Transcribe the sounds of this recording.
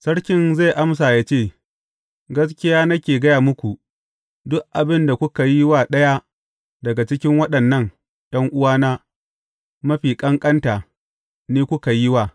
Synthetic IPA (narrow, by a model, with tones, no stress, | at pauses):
sɐ˦ɽkʲɪ˦˨nza˦˨jʔa˦ms̬aː˨jaː˦t͡ʃeː˦˨ | ɡɐ˦s̬kʲɪ˦jaː˦nɐ˦kʲeː˨ɡɐ˦jaː˨mʊ˦kʷu˨ | dʊ˦ʔʔa˨bɪ˦nda˨kʷʊ˦ka˨ji˦waː˨ɗɐ˦ja˦ | dɐ˨ɡa˨t͡ʃɪ˦kʲɪ˦ŋwɐ˦ɗɐ˨nːɐ˦˨n | dɐ˦ŋʔʊ˦waː˦naː˦ | mɐ˦ɸiː˨kʼɐ˦ŋkʼɐ˦nta˨ | niː˦kʷʊ˦ka˨jɪ˦waː˨